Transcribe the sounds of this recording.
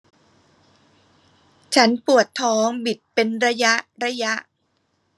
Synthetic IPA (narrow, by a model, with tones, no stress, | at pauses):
t͡ɕʰa˦˥npu˨˩ət̪ʰːɔː˦˥ŋbi˨˩t̪̚pe˧nɾa˧ja˦˥ʔɾa˧˥ja˦˥ʔ